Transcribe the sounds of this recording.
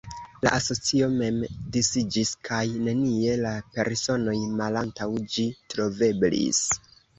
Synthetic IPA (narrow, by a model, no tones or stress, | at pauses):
la̰ʔaso̞t͡sio̞me̞mdisid͡ʒiskʰajne̞nie̞lape̞ɾso̞no̞jmalantawd͡ʒitɾo̞ve̞blḭs